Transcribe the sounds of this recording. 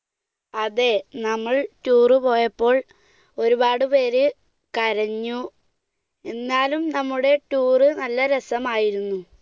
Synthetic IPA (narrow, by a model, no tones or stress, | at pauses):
ɐðe̞nɐmːɐɭʈuːrɨpo̞ːjɐpːo̞ːɭ | o̞ɾubaːɽɨpe̞ːɾɨ | kɐɾɐɲːu | e̞nːaːlumnɐmːuɽe̞ʈuːrɨnɐlːɐɾɐsɐmaːjiɾunːu